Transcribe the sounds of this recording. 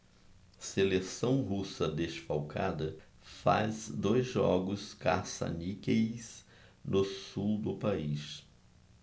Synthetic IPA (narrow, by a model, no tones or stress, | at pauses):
selesɐ̃w̃ɦusɐd̪eʃfawkʰa̰d̪ɐ | fa̰zd̪ojzʒɔɡʊskasa̰nikejs | nʊsuwd̪ʊpais